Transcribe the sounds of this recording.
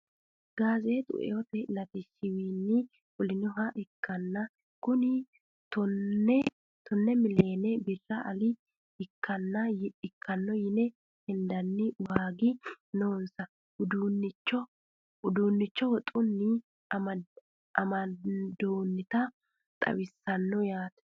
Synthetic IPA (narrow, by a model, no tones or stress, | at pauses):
ɡaːzet̪ʼʊ̰ʔɛ̰wɔt̪ɛlɐt̪ɪsːɪwiːnːɪ | wɔlɪnɔɦɐʔɪkːɐnːɐ | kʊnɪ | t̪ɔɛ | t̪ɔnːɛmɪleːnɛbɪrːɐʔɐlɪ | ɪkːɐnːɐjɪkʰːɐnːɔjɪnɛ | hɪnd̪ɐnːɪwaːɡɪnoːnsɐ | ʊd̪uːnːɪt͡ʃːɔ | ʊd̪uːnːɪt͡ʃːɔwɔt̪ʼʊnːɪ | ɐ | ʔɐmɐd̪oːnːɪt̪ɐ | t̪ʼɐ̰wɪsːɐnːɔjaːt̪ɛ̥